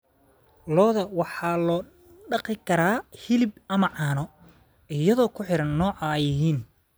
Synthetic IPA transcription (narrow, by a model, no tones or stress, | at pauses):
lɔːðɐwɑħɑːlɔː | ɖɑqɪkʰɐɾaːhɪlɪbɐmɐʕɑːnɔ | ɪjɐðɔːkʰʊħɪɾɐnːɔːʕɐjɪɦiːn